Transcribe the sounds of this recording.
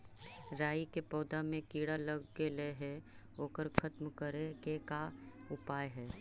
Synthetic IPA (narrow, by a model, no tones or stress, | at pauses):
ɾaːikepɔːd̪amẽkiːɽaləɡːeleɦɛ | oːkəɾkʰɐt̪mkəɾekekaʊpaːjɦɛː